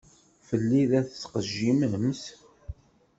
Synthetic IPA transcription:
fəlːiðæθt͡sːqəʒːiməms

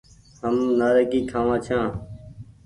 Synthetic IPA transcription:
həmnaːɾəkiːkʰaːʋãːt͡ʃʰãː

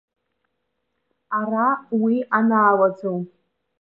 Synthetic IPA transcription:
arawianaːlad͡zow

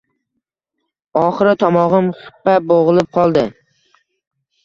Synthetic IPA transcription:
ɒχɨɾɪt̪ʰɒmɒʁɨmχɪ̥pːaboʁɨlˠɪp̚qʰɒlˠd̪ɪ

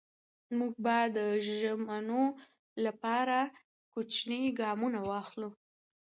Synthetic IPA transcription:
muɡ̚bɑjd̪əʒamano | lapɑɾa | kot͡ʃnəjɡɑmunawɑxlu

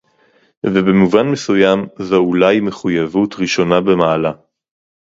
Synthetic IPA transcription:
vebemuvanmesujamzoulajme̞χujavutʁiʃo̞nabe̞maːla

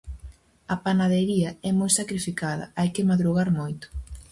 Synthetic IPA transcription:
ɐpanað̞eɾiɐɛmojsakɾifikaðɐ̰ajkɪmaðɾuɣaɾmojt̪ʊ̥

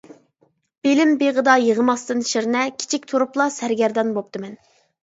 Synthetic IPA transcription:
b̥elɪmbeʁəd̪ɑjəʁəmɑst̪ɨnʃeɾnɛkʲʰi̥t͡ʃʰik̚ʲt̪ʰuɾuplˠɑsæɾɡʲɛɾd̪ɑnbop̚t̪ʰɨmɛn

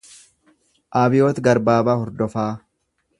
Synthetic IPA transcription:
ʔaːbɪjoːt̪ɡɐɾbaːbaːhɔɾd̪ɔfaː

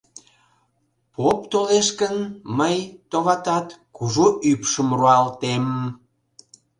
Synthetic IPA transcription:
popt̪oleʃkənməjt̪oβɑt̪ɑt̪kuʒoʔypʃəmruɑlt̪em

